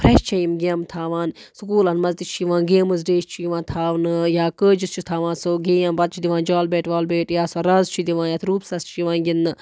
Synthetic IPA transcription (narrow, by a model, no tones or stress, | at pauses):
pʰɾeʃt͡ʃʰɐjimɡʲɐmt̪ʰaːʋãːnsukuːlɐnmɐzt̪it͡ʃʰiʋãːnɡeːmɨzɖeːʃt͡ʃʰiʋãːnt̪ʰaːʋnɨjaːkəːd͡ʒist͡ʃʰut̪ʰaːʋãːnsoɡejɐmbɐt̪̚t͡ʃʰid̪iʋãːnd͡ʒaːlbeːʈʋaːlbeːʈjaːsɐɾɐzt͡ʃʰid̪iʋãːnjat̪ʰɾuːpsɐst͡ʃʰiʋãːnɡʲinːɨ